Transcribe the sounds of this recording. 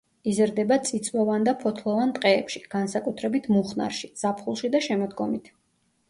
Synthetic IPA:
izɾd̪ɛbat̪sʼit̪sʼwɔvand̪apʰɔt̪ʰlˠɔvant̪ʼqʼɛːpʃiɡ̥ansakʼut̪ʰɾɛbit̪ʰmuχna̰ɾʃiz̥apʰχulˠʃid̪aʃɛmɔd̪ɡɔmit̪ʰ

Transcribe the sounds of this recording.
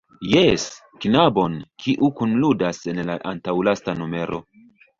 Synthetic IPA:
jes | knabo̞nkʰiʔukunludase̞nlaʔantawlastanume̞ɾʔo̞̰

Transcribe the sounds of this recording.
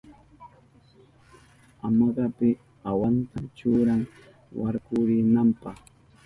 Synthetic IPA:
amɑɢɑpɪ | awant̪at͡ʃʊɾaŋ | wa̰ɾkʊɾɪnampɑχ

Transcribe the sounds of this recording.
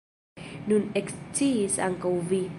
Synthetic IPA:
nunɛkst͡sisa̰ŋkawvi

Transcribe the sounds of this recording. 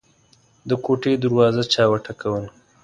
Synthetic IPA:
d̪əkoʈed̪aɾwɑzat͡ʃɑwaʈakawəl

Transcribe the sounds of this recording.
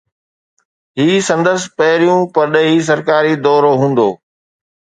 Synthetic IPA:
ɦiːsɐ̃nd̪əspɐɦɪɾijũpɐɾɗəɦiːs̬ɐɾkaːɾid̪ɔːɾoɦũːn̆d̪oː

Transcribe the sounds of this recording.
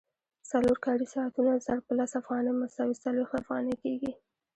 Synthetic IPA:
saloɾkɑɽisɑːt̪unazaɽ̚pəlasafɣɑnəjməsawisalwext̪afɣɑ̰nəkeɡi

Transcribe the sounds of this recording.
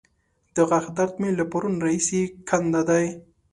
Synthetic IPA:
d̪̥əɣaxd̪aɾt̪melapaɾunɾaisekʰand̪ad̪aj

